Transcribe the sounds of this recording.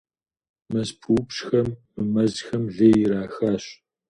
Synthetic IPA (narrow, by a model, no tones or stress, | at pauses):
mɐzpʰupɕxɐmːɨmɐzxɐmɮeːjɪɾaːxaːɕ